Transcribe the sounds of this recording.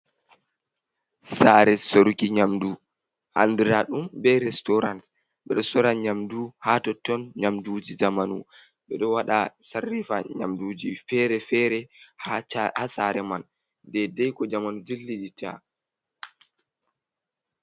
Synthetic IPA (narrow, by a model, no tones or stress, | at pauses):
saɾɛsoɾkiɲamdu | ʔa̰ndiɾaɗumbɛɾɛstɔɾant | ɓɛɗɔsɔɾanɲamduhatɔtːɔnɲamdud͡ʒid͡ʒamanṵ | ɓɛɗɔwaɗa̰sarːifaɲa̰mduːd͡ʒifɛɾɛfɛɾɛhhasaɾɛman | dɛdɛjkɔd͡ʒamanud͡ʒilːid͡ʒita̰